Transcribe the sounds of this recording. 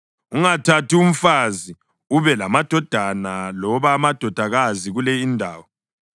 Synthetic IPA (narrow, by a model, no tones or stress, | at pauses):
uŋatʰatium̩fazi | uβɛlamad̥ʱɔd̥ʱanalɔβaːmad̥ʱɔd̥ʱaɣaziɣulɛindʱaːwɔ